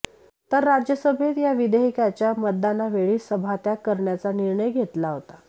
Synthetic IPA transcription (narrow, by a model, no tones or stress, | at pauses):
t̪əɾːad͡ʑjəsəbʱet̪jaʋid̪eɦikat͡ɕjaməd̪̚d̪anaʋeɭiːsəbʱat̪jakəɾɳjat͡saniɾɳəjɡʱet̪laɦot̪a